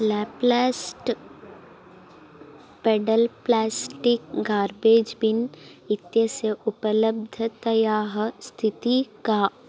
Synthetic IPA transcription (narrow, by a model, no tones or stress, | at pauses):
lɛːplɛːsʈ | peːɖəlplɛːsʈɪk̚ɡaːɾbeːd͡ʒbɪnɪt̪jəseʔʊpələbd̪ʱət̪ɐjaːɦst̪ʰɪt̪ika